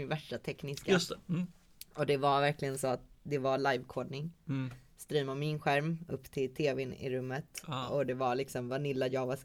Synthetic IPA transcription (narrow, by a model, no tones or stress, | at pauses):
ɪvæʂʈat̪ʰɛknɪskaɵst̪ɛ | ɔd̪ɛvaɾvæɾklɪɡənsɔat̪d̪ɛvaɭajvkʰoːɖnɪŋ | st̪ɾyːmamɪnɧæɾmɵ̰pːt̪ʰɪlt̪ʰeːvɛnɪ̰ɾɵmːət̪ɔd̪ɛvalɪksɔmvanɪlːajɑːɡvas